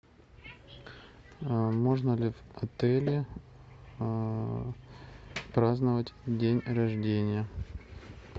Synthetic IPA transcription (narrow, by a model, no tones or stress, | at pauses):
mo̞ʐnəlʲɪvɐt̪ɛlʲɪ | pɾaznəvətʲdʲenʲrɐʐdʲenʲɪjə